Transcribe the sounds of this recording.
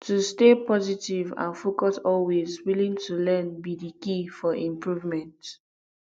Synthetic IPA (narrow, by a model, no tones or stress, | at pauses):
tustepɔzitivã̰nfokɔsɔlwezwilĩŋtʰulɛ̃nbidikifɔʔĩmpɹuvmɛ̃nt